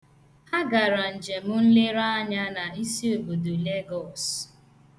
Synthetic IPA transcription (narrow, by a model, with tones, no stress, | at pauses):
a˦ɡa˨ɾa˨n̩˨d͡ʒe˨mʊ˦n̩˦le˦ɾa˦ɲa˦na˨i˦si˦o˨bo˨du˨le˦ɡɔ˨s